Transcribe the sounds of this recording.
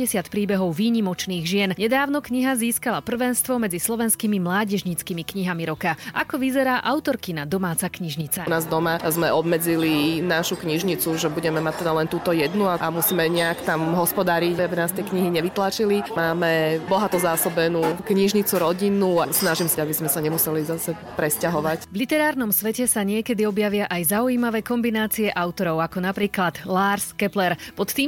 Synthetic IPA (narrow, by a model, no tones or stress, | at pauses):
ɛsɪat̪pɾiːbɛɦɔʊʋiːɲimɔt͡ʃniːɣʒɪɛnɲɛd̪aːʊnɔkɲiɦaziːskalapr̩ʋɛnst̪ʋɔmɛd͡zislɔʋɛnskimimlaːɟɛʒɲit͡skimikɲiɦamiɾɔkaʔakɔʋizɛɾaːʔaʊt̪ɔɾkinad̪ɔmaːt͡sakɲiʒɲit͡sanaːzd̪ɔmazmɛʔɔbmɛd͡zilinaʃukɲiʒɲit͡suʒɛbuɟɛmɛmac̚t̪ːɛd̪alɛnt̪uːt̪ɔjɛd̪nuaamusiːmɛɲɛakt̪amɦɔspɔd̪aːɾiɟaabinaːst̪ɪɛkɲiɦiɲɛʋit̪lat͡ʃilimaːmɛbɔɦat̪ɔzaːsɔbɛnukɲiʒɲit͡suɾɔɟinuasnaʒimsaabizmɛsaɲɛmusɛlizasɛ | pɾɛscaɦɔʋacvlit̪ɛɾaːɾnɔmsʋɛcɛsaɲɪɛkɛd̪iɔbjaʋɪaʔajzaujimaʋɛkɔmbinaːt͡siɛʔaʊt̪ɔɾɔʊakɔnapɾiːklad̪̥laːɾskɛplɛɾpɔt̪t̪ːiːm